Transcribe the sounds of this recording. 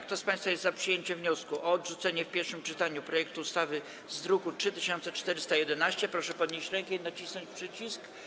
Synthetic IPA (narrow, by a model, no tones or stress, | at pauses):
k̚t̪ɔspãj̃st̪fajɛst̪zapʂɨjeɲt͡ɕɛvɲɔskuʔɔːd̪ʐut̪sɛɲɛfpʲjɛɾfʂɘmt͡ʂɘt̪aɲupɾɔjɛk̚t̪uːst̪avɘ | zd̪ɾukutʂɘt̪ɘɕɔ̃nt̪sɛt͡ʂt̪ɛɾɘst̪ajɛd̪ɛnaɕt͡ɕɛpɾɔʂɛpɔd̪ɲeɕt͡ɕɾɛŋkɛinat͡ɕisnɔɲt͡ɕpʂɘt͡ɕisk